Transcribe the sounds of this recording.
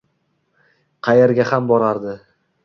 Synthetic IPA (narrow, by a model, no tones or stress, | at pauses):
qʰɑjeɾɡʲahambɒɾaɾd̪ɪ